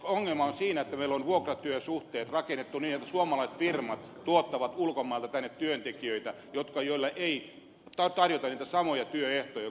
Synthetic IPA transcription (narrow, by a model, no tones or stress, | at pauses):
oŋːelmɑonsiːnæet̪ːæmeilonʋuokrɑt̪yøsuht̪eːt̪rɑkenːet̪ːuniːnet̪ːæsuomɑlɑise̥t̪firmɑt̪ | t̪uot̪ːɑʋɑt̪ulkomːˑɑˑilt̪ɑt̪ænːet̪t̪yønt̪ekiøit̪æ | jot̪kɑjoilːɑʔei | t̪ɑt̪ɑrjot̪ɑnniːt̪æsɑmojɑt̪yøeht̪ojɑ